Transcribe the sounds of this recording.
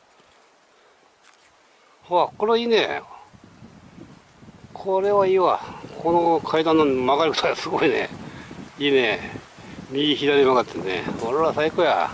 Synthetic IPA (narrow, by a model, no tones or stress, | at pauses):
hoakoɾoiːne | kʰoɾe̞βaiːβakʰonokʰaid̪ãnːomaɣaɾikɯ̥t̪ojasɨɡo̞inḛ | iːne | mʲiiçiɾaɾimaɡat̪ːenḛoɾeɾasaikoja̰